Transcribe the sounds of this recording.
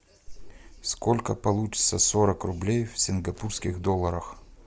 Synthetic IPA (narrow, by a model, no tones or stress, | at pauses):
skolʲkəpɐlˠut͡ɕɪ̥t̪səsoɾəkrʊblʲejfʲsʲɪnɡɐpurskʲɪxd̪olˠːəɾəx